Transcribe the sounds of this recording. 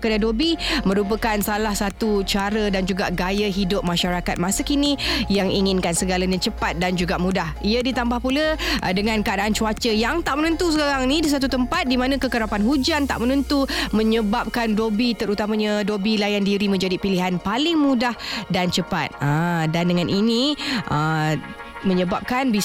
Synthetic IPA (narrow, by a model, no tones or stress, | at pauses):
kədadobimə̃ɾup̬əkansalahsat̪ut͡ʃaɾədand͡ʒuɡaʔɡajəɦidʊp̚maʃaɾakat̪̚masəkinijaŋiŋɪnkansəɡalaɲat͡ʃəpat̪̚dand͡ʒuɡaʔmũdahiədit̪ambahpulədəŋãnkaʔadaʔant͡ʃuat͡ʃəjaŋt̪aʔmənənt̪us̬əkaɾaŋnĩdis̬at̪ut̪əmpat̪̚dimanãkəkəɾapanɦud͡ʒant̪a̰ʔmənənt̪umə̃ɲəbap̚kandobit̪əɾut̪amaɲadobilajandiɾimə̃nd͡ʒadipiliɦanpalɪŋmudahdant͡ʃəpa̰t̪̚ədandəŋanʔiniʔə | məɲəbap̚kanbi